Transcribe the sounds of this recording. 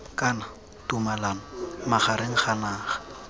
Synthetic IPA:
kʼana | tumalanɔmaχaɾeŋ̩χanaːχḁ

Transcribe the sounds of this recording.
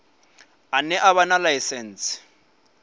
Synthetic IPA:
anɛʔaβanalaisɛn̩ːsɪ̥

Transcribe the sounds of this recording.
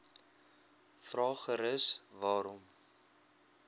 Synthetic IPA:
frɑːχəɾəsvɑːɾɔm

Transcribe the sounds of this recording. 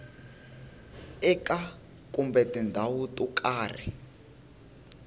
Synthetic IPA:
ɛkʼa | kʼumbɛtindʱawutʼukʼaːr̤ḭ

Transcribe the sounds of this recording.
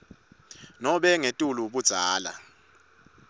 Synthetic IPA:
nɔɓɛŋetʼuluɓud̥z̥ʱaːla̰

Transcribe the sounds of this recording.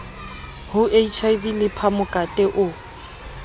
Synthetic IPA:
hʊʔeit͡ʃʰaivilɪpʰamʊkʼatʼɛʔʊ

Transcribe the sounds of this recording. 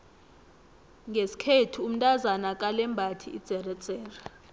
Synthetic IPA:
ŋɡʱesi̥kʰetʰuum̩tʼazanak̬ʼalɛmbʱatʰiḭd̥z̥ʱɛrɛd̥z̥ʱɛːra

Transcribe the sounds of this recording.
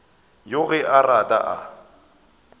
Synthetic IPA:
jʊɣɪʔaratʼa̰ʔa̰

